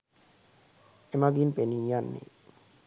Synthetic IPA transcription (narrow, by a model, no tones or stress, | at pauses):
emabinpenijanːḭ